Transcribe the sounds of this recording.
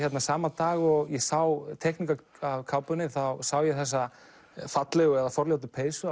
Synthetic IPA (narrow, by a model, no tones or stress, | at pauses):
çjɛt̪nasaːmat̪aːɣɔɣjɛsawt̪ʰɛhknika | avkʰawpʏnɪθawsawjɛθɛs̬ːa | fat̪lɛɣɛðafɔɾljawt̪̬ɪpʰeːjsʏ